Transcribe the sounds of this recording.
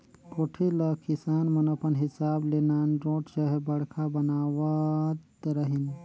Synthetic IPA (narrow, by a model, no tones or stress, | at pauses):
koːʈʰelɐkɪsaːnmɐnɐpʰənɦɪsaːbleːnaːnɾõːʈʰt͡ʃɐɦɛbɐɽkʰabɐnaːʋat̪ɾɐɦɪn